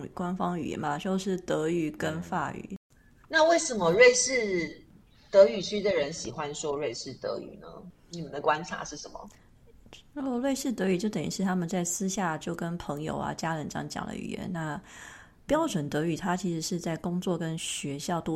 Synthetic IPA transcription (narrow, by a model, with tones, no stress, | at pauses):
kwa˥nfɑ˥ŋy̰˨˩jɛ̰˦˥nba˨t͡ɕo˥˧ʊʂɻ̩˥˩t̪ɤ˧˥y˨˩kə˦˥nfa̰˥˩y̰˨˩˦ | na˥˧we˥˩ɪʂə˨˩mə˦ɻe˥˧ɪʂɻ̩˥˩ | t̪ɤ˧˥y˨˩t͡ɕʰy˥d̪ə˨ɻə˧˦nɕi˨˩xwa˦nʂwɔ˥ɻe˥˧ɪʂɻ̩˥˩t̪ɤ̰˧˥y̰˨˩nə̰˦ni˨˩mə˨˦nd̪ə˨kwa˦nʈ͡ʂʰa̰˨˧˦ʂɻ̩˥˩ʂə˧˦nmə̰˨˩ | u˥˩lwe˥˧ɪʂɻ̩˥˩t̪ɤ˧˥y˨˩t͡ɕjo˥˩t̪ə˨˩nḭ˨˥ʂɻ̩˥˩t̪ʰa˥mə˨nt͡sa˥˩ɪsɹ̩˥ɕja˥˩t͡ɕjo˥˩ʊkə˦˥npʰɤ˧˥ŋjo̰˨ʊa̰˦t͡ɕja˥ɻə˧˥nʈ͡ʂŋt͡ɕjɑ̰˨˩ŋd̪ə̰˦y̰˨˩jɛ̰˧˦nna˥˩ | pjɑ˥ʊʈ͡ʂwə˨˩nt̪ɤ˧˥y˨˩t̪ʰa˦t͡ɕʰi˧˥ʂɻ̩˧˥ʂɻ̩˥˧t͡sa˥˩ɪkʊ˥ŋt͡swɔ˥˨˩kə˦nɕɥɛ˧˥ɕjɑ˥˩ʊt̪